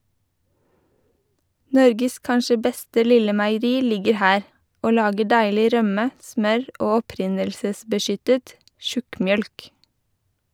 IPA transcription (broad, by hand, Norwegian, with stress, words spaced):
ˈnɔɾɡəs ˈkɑnʃə ˈbɛstə ˈlɪlə mæɪəˈɾiː ˈlɪɡəɾ ˈhæːɾ ˈoː ˈlɑːɡə ˈɖæɪlɪ ˈɾœmə ˈsmœɹ ˈoː ɔˈpɾɪnəlsəsbəˌʃʏtət ˈʃʉkmˌjœlk